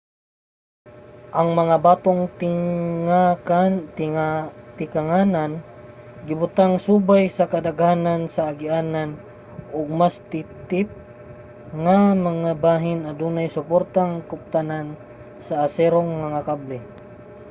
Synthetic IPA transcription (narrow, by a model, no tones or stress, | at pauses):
ʔaŋmaŋabat̪oŋ | at̪at̪ɪkaŋanan | ɡɪbʊt̪aŋsubajsakad̪aɡanansaːɡɪʔanan | ʊɡ̚mast̪ɪt̪ɪp̚ | ŋamaŋabaɦɪnad̪unajsʊpoɾt̪aŋkʊp̚t̪anan | saːsɛɾoŋmaŋakablɛ